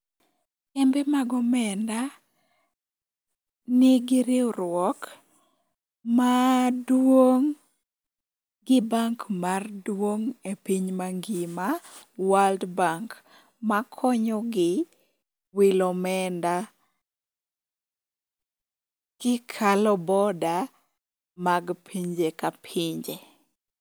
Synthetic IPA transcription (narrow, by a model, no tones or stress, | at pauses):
ɛmbemaɡɔmɛnda | nɪɡɪɾɪɔrwɔk | madwoŋ | ɡɪbaŋkmardwoŋepiɲmaŋɡɪma | waldbaŋk | makʰɔɲɔɡɪ | wɪlɔmɛnda | kɪkʰalɔbɔda | maɡpʰiɲd͡ʒekapʰiɲd͡ʒe